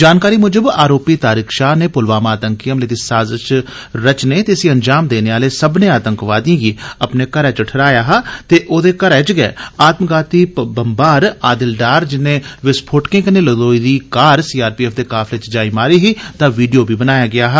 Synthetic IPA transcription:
d͡ʒaːnkaːɾimʊd͡ʒəbaːɾoːpit̪aːɾikʃaːneːpʊlʋaːmaːt̪ə̃ŋkijəmleːd̪isaːzəʃ | ɾɐt͡ʃnet̪esĩɐnd͡ʒaːmd̪eːneaːlesɐbneaːt̪ə̃ŋkʋaːd̪iãːɡiɐpnekɐɾɛt͡ʃəʈʰəɾaːjaːɦɛːt̪eʔoːd̪ekɐɾɛːt͡ʃɡɛḛːaːt̪mɡaːt̪ibəmbaːɾaːd̪ɪlɖaːɾd͡ʒɪnẽʋɪspʰoːʈkɪ̃ŋkneləd̪oːid̪ikaːɾsiːaːɾpiːɛːfd̪ekaːflet͡ʃd͡ʒaːimaːɾiɦit̪ãʋiːɖijobʱibənaːjaɡɪjaːɦɛ

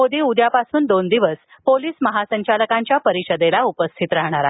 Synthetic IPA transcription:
mod̪iːud̪japasuːnd̪ond̪iʋəs | poliːsməɦasəɲt͡ɕaləkaɲt͡ɕjapəɾiɕəd̪elaupəst̪ʰit̪ɾaɦɳaɾa

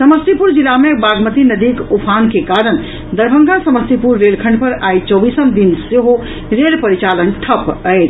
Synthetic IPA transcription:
səməst̪ipuɾd͡ʒilamebaɡmət̪inəd̪ikupʰankekaɾən | d̪əɾbʱəŋɡasəməst̪ipuɾːelkʰə̃ɳɖpəɾajt͡ʃɔbisəmd̪inseɦo | ɾelpəɾit͡ʃalənʈʰəpəjt͡ʃ

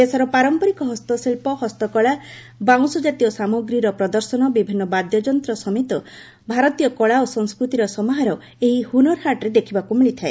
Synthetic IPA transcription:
esɔɾɔpaɾɔmpɔɾikɔɦɔst̪ɔsilpɔhɔst̪ɔkɔɭa | baw̃sɔd͡ʒat̪ijɔsamoɡɾiɾɔpɾɔd̪ɔɾsɔnɔbibʱinːɔbad̪jɔd͡ʒɔnt̪ɾɔsɔmit̪ɔ | bʱaɾɔt̪ijɔkɔɭaosɔŋskɾut̪iɾɔsɔmɔɦaɾɔ | eɦihunɔɾɦaʈɔɾed̪ekʰibakumiɭit̪ʰae

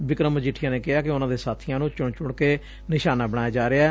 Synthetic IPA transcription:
ʋɪkɾəməd͡ʒɪʈʰɪjãːneːkɪɦaːkɪʊnãːd̪eːsaːt̪ʰɪjãːnũːt͡ʃʊɳt͡ʃʊɽkeː | nɪʃaːnaːbəɽ̃aːjaːd͡ʒaːɾeaː

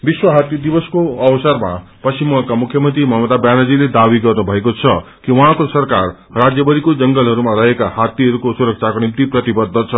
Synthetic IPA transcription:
biswʌɦat̪jʌd̪ibʌskoʌwʌsʌrma | pʌsimakamukʰjʌmʌnt̪rimʌɦʌmʌd̪abjanad͡ziled̪abiɡʌrnubʱʌekot͡sʰʌ | kiwʌ̃ɦãkosʌrkar | rad͡zjʌbʌɾikod͡zʌŋɡʌlɦʌɾumaɾʌɦekahat̪ːiɦʌɾukosuɾʌk̚t͡sʰakonimt̪iprʌt̪ibʌd̪ʱːʌt͡sʰʌ

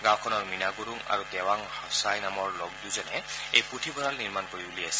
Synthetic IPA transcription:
ɡãwkʰɔnɔɹminaɡuɾuŋa̰ɹutɛwaŋhɔsajnamɔɹlɔɡ̚duzɔnɛejpɹutʰibɔɹalniɹmankoɹibuliasɛ̥

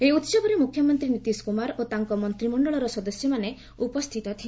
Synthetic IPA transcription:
eut̪sɔbɔɾemukʰjɔmɔnt̪ɾinit̪iskumaɾot̪aŋkɔmɔnt̪ɾimɔɳɖɔɭɔɾɔsɔd̪ɔsjɔmane | upɔst̪ʰit̪ɔt̪ʰi

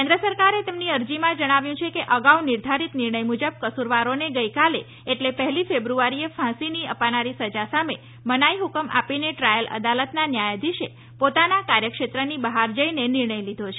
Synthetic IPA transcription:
kẽnd̪ɾəsəɾkaɾet̪emniəɾd͡ʒimãd͡ʒəɽ̃aʋjũt͡ʃʰekeʔəɡaunɪɾd̪ʱaɾit̪nɪɾɳəjmud͡ʒəb̚kəsuɾʋaɾoneɡəjkale | eʈlepəɦɛlifebɾuaɾiefʰãsiniəpanaɾisəd͡ʒasame | mənajɦukəma̰pineʈɾajələ̰d̪alət̪nanjajad̪ʱiʃe | pot̪anakaɾjəkʃet̪ɾənibəɦaɾd͡ʒəinenɪɾɳəjlid̪ʱot͡ʃʰe

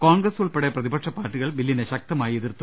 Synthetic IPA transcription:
koːŋɡrɐsuɭpeɽeprɐðibɐʈʂɐpːaːrʈːiɣɐɭbilːineɕɐk̚t̪ɐmaːjieðirt̪ːu

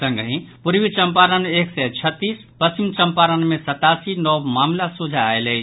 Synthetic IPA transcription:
sə̃ŋɡɦĩpuɾbit͡ʃəmpaɾəneksɛt͡ʃʰət̪ːis | pəst͡ʃimt͡ʃəmpaɾənmesət̪asinɔwmamlasud͡ʒʱaːjlɛ

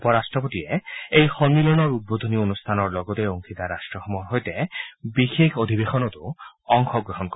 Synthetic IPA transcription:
pɔɾasʈɾɔpot̪ieejxɔŋːilɔnɔɾut̪̚bod̪ʱonionust̪ʰanɔɾlɔɡɔt̪eoŋkʰit̪aɾaʃʈɾɔxɔmɔɾɦojt̪ebixekʰod̪ʱibexɔnɔt̪oɔŋxɔɡɾɔɦɔnkɔ

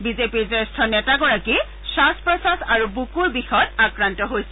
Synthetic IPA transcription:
bizepiɹzɛstʰɔnɛtaɡɔɹaki | saspɹɔsasaɹubukuɹbixɔtakɹantɔɦojsɛ

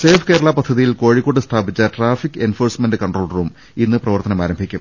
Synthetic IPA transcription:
seːfʰkeːɾɐɭɐpɐd̪ʱːɐðijilko̞ːɻikːoʈːɨst̪ʰaːbit͡ɕːɐʈraːfikːɨenfoːrsmendɨkɐɳʈro̞ːlruːm | inːɨprɐʋɐrt̪ɐnɐmaːɾɐmbʱikʲːum

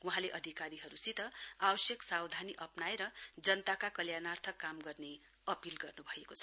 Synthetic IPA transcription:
wuɦãleʔʌd̪ʱikaɾiɦʌɾusit̪ʌabʌsjʌksawd̪ʱaniʔʌpnaeɾʌd͡zʌnt̪akakʌljanart̪ʰʌkːamɡʌrne | ʌpilɡʌrnubʱʌekot͡sʰʌ̥

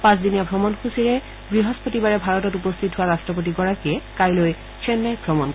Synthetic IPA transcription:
pãsdinijabʱɔmɔnxʰusiɹɛ | ɡɹiɦɔspotibaɹɛbʱaɹɔtɔtupɔstʰitɦʊwaɹastɹɔp̬ot̬iɡɔɹakiɛkaɹloj | sʰɛnːajbʱɹɔmɔnk

